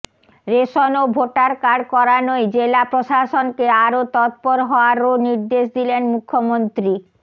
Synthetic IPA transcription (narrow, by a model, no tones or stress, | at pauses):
ɾeʃonobʱoʈaɾkaɾkɔɾanojd͡ʑelapɾoʃaʃonkeaɾot̪ɔt̪̚poɾɦɔoaɾoniɾd̪eʃd̪ilenmukʰːomont̪ɾi